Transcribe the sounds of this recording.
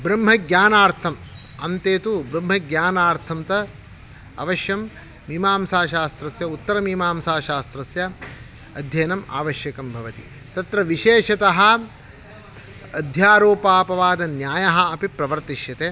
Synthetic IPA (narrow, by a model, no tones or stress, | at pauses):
bɾɐmɦɐɡjaːnaːɾt̪ʰɐm | ɐnt̪eːt̪ubɾɐmɦɐɡjaːnaːɾt̪ʰɐmt̪ɐ | ɐ̰ʋɐʃjɐmː | iːmaːmsaːʃaːst̪ɾɐsjɐut̪ːɐɾɐmiːmaːmsaːʃaːst̪ɾɐsjɐ | ɐd̪ʱjɐjnɐma̰ːʋɐʃjɐkɐmbʱɐʋɐt̪ḭ | t̪ɐt̪ɾɐʋiʃeːʃɐt̪ɐɦɐ̆ | ɐd̪ʱjaːɾoːpaːpɐʋaːd̪ɐnjaːjɐɦɐɐpipɾɐʋɐɾt̪iʃjɐt̪eː